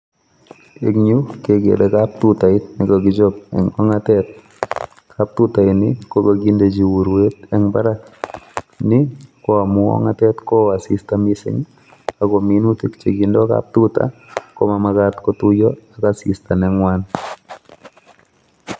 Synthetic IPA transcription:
ḛ˨kɲu˦keɡḛ˨ɾekap̚tuta˨ɪ˦nɪ˨kɔɡɪ˨d͡ʒɔ˦p̚ɛ̰˨ŋɔŋatɛt̚ | kʰap̚tuta˨ɪnɪko˦kaɡi˦nde˨d͡ʒi˨wu˨ɾwe˦t̪ɛ˦ŋbaɾa˦k | nɪ˦kɔ˦a˨mʊ˦ɔ̰˦ŋa˦tɛ˦tkɔ˦a˨sɪ˨stamisɪ̰˦ŋ | a˨ɡɔ˨mi˦nu˦ti˦kt͡ʃe˨ɡi˨ndɔ˦ka̰p̚tuta̰kɔ˦ma˨makat̪kɔtu˦jɔ˦a˨kasɪ̰˨sta˨nɛŋwan

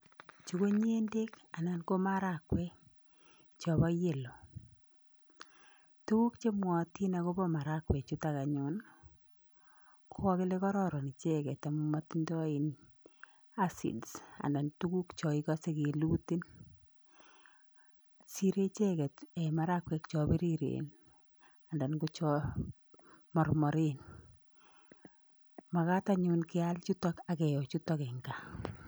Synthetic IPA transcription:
t͡ʃu˨ko˦ɲe˦nde˦k | a˨na˨nko˦ma˦ɾa˨kwɛ˦ | t͡ʃɔ˨bɔ˦je˨lo˨ | tu˦ku˦kt͡ʃe˦mwɔ˨ti˦na˨ko˦bɔ˦ma˨ɾa˦kwɛ˨t͡ʃu˦ta˨ka˨ɲo˦n | kʰo˦ɔ˦kɪ˦le˦kɔ˦ɾɔ˦ɾɔ˨ni˨t͡ʃe˦kɛ˨ta˨mu˨ma˦ti˦ndɔ˦i˨n | a˦sḭ˨dsa̰˨nda˨ntu˦ku˦kt͡ʃɔ˨ikɔ˦se˦keluti˦n | si˦ɾe˦t͡ʃɛkɛ˨tɛ˨ma˦ɾakwɛk̚t͡ʃɔbi˦ɾiɾḛn | a˨nda˨nku˦t͡ʃɔ | mɔ˨rmɔ˨ɾe˦n | ma˨ka˦taɲu˦nkɪ˦alt͡ʃu˦tɔ˦ka˨kɛ˨jɔ˨t͡ʃutɔ˦kɛŋɡa

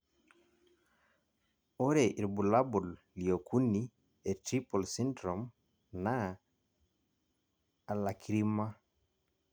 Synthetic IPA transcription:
o˦ɾe˨ʔi˨ɾbu˨la˦bɔ˨lː | i˨o˨kʰu˦ni˦ | e˨tɾi˦po˨lsi˦ndɾɔ˨m | na˦˨ | la˨kʰi˨ɾi˦ma˦

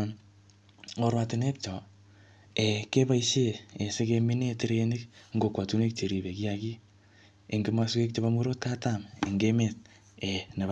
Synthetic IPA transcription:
n | ŋo˨ɾwa˧tɪ˨ne˦k̚t͡ʃɔ˨ | e˨ke˦ba˦iʃe˦e˨se˦ke˧mi˦ne˦te˦ɾe˨ni˦kŋɡo˨kwa˨tu˦ne˦k̚t͡ʃe˨ɾi˨be˨ki˦a˦ki˦ | e˨ŋɡima˦ske˦k̚t͡ʃe˦ba˦mwe˦ɾo˦t̚ka˦tamḛ˨ŋɡe˦me˨t̚ | e˨ne˨b

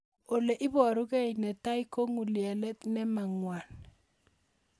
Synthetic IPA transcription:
o˨le˨ʔɪ˦bɔ˨ɾu˦kɛ˦jnɛ˨ta˦i˦ko˦ŋu˨ljɛ˨lɛ˦t̪nɛ˦ma˨ŋwa˨n

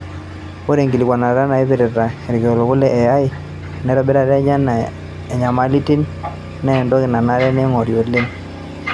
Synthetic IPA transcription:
ko˦ɾe˨ŋɡi˨li˨kwa˨na˨ɾa˦na˨i˦βe˨ɾɛ˨ɾa˨e˨ɾi˨ko˨lo˨kʊ˦lɛ˦ʔɛ˨a˦i˦˨ | nɛ˨˦ɾɔ˨be˦ɾa˨ɾɛ˦ɲa˦na˨ | e˨ɲa˨ma˨˦li˦ti˦n | nːɛ˦ɛ˨ndɔ˦kɪ˨na˨na˦ɾɛ˦ne˦ŋɔ˨ɾjo˨le˦

